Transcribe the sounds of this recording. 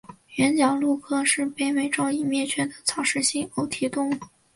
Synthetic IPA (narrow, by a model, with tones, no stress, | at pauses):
ɥɛ˧˥nt͡ɕjɑ˨˩ŋlu˥˩kʰɤ˥ʂɻ̩˥˩pe˥˩ɪme˥˩ɪʈ͡ʂo˥ʊi˨˩mjɛ˥˩t͡ɕʰɥɛ˥d̪ə˨t͡sʰɑ˨˩ʊʂɻ̩˥˩ɕi˥ŋo˧˥ʊt̪ʰi˧˥t̪ʊ˥ŋ